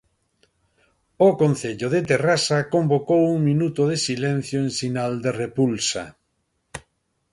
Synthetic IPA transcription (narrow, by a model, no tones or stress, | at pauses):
okon̟θeʎoðet̪erasakombokowuŋminut̪oðesilɛn̟θjoeŋsinald̪erepulsa̰